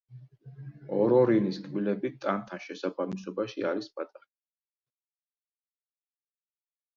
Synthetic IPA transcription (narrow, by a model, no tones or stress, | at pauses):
ɔɾɔɾiniskʼmilɛbit̪ʼant̪ʰaʃɛsabamisɔbaʃḭaɾispʼat̪ʼaχa